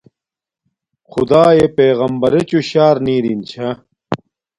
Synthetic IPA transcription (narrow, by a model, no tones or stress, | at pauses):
xṵd̪aːepeːɣɐmbɐɾet͡ɕuɕaːɾniːɾint͡ɕʰɐ